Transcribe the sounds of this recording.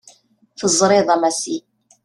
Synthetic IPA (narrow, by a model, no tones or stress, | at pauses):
θəzˤɾˤeðˤɑmæsi